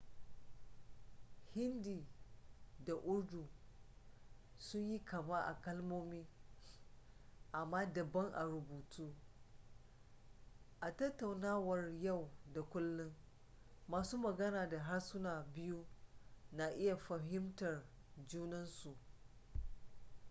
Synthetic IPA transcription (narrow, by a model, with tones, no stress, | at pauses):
hɪ˦ndiː˨ | da˨ʔʊ˦ɽdu˨ | sʊ˦ɲji˦kɐ˨ma˦ʔa̰˨kɐ˦lmoː˦miː˦ | ʔa˨mːaː˦dɐ˨bɐ˦ŋʔa̰˨ɾʊ˨buː˨tuː˦ | ʔa˨tɐ˦tːa˨wnaː˦wɐ˨rja˦˨wda˨kʷʊ˦lːʊ˦ŋ | maː˨suː˦mɐ˨ɡɐ˦naː˨da˨ɦa˦rsʊ˦naː˨bɪ˦ju˦na˨ʔɪ˦ja˨ɸɐ˨ɦɪ˦mtɐ˨r | d͡ʒuː˦nɐ˦nsu˨ʔ